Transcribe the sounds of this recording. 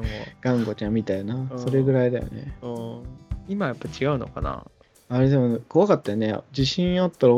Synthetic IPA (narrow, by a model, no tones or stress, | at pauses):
oɡ̥ãŋɡo̞t͡ɕãmʲːit̪ajonaso̞ɾe̞ɡɯ̟ɾaid̪a̰jo̰nḛɯ̃ | imajapːat͡ɕiɡaɯ̟no̞̰kana̰ | aɾe̞d̪emoko̞βakat̪ːajonḛd͡ʑiɕĩɰ̃at̪ːaɾ